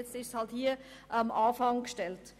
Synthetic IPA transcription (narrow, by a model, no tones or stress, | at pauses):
ɛt͡stɪʃshɑlthiːə | ʔamʔɑːfɑŋkʃtɛlt